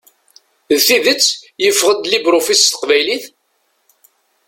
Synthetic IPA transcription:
ðθiðət͡sːjəfːʁəd̪libɾofist̪ə̥qvæjliθ

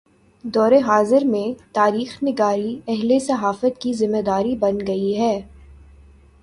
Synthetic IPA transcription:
d̪ɔːɾeɦaːzɪɾmẽt̪aːɾiːxnɪɡaːɾiɛɦlesɐɦaːfət̪kizɪmːed̪aːɾibɐnɡɐiɦɛː

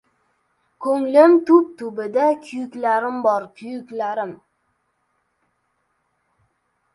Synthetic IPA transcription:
kʰɵŋlɪmt̪ʰʊp̚t̪ʰʊbɪd̪akʲʰʊjʊkʲlaɾɪmbɒɾkʲʰʊjʊkʲlaɾɪm

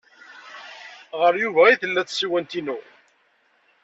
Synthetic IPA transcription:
ʁəɾjuvæiθəlːæθsiwænt̪inu

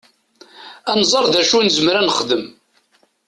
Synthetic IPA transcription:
ænzˤɑɾˤðæʃunzəmɾænəχd̪əm

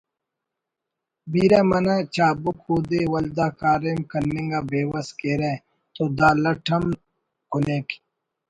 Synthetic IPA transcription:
biːɾaːmɐnat͡ɕaːbukhuːd̪ewɐld̪aːkaːɾemkɐnːĩŋɡaːbeːwɐskeːɾe | t̪od̪aːlɐʈʰɐm | kuneki̥

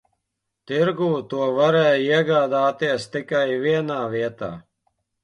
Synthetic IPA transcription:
t̪iɾɡuːt̪uɔvaɾɛːjiɛɡaːd̪aːt̪iɛst̪ikajviɛnaːʋiɛt̪a̰ː

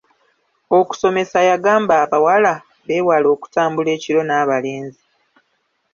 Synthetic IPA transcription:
oku̥so̞me̞sajaɡaːmbaːβawala | βe̞ːwalo̞ːku̥taːmbule̞ːciɾo̞naːβale̞ːnzi

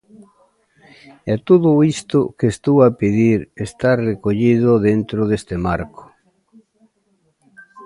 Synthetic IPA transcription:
ɛt̪uðʊist̪ʊkest̪owapeðiɾest̪arekoʎiðʊðent̪ɾʊðest̪emaɾkʊ̥

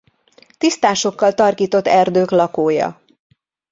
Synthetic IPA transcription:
t̪ist̪aːʃo̞kːɒlt̪ɒrkiːt̪o̞t̪ːɛrd̪øːklɒkoːjɒ̰

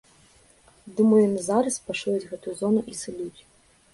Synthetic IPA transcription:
d̪ɨmɔjɔnɨzaɾɐspaʂujɛd͡zʲɣɛt̪ujuzɔnuʔisɨlʲut͡sʲ

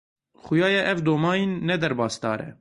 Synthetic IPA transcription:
xʊjɑːjɛʔɛvd̪oːmɑːjinːɛd̪ɛɾbɑːsd̪ɑ̰ːɾɛ̰

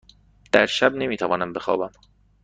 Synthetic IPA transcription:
d̪̥æɾʃæbnemiːt̪ʰævɒːnæmbe̞xɒ̰ːbæm

